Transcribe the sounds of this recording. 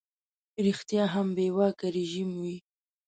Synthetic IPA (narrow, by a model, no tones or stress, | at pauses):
ɾixt̪jɑɦambewɑkaɾeʒimwi